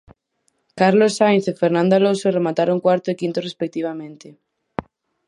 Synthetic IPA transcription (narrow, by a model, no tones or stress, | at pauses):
kaɾlosːajnsefeɾnãnd̪alosoremat̪aɾoŋkwaɾt̪oekint̪orespek̚t̪iβamẽnt̪e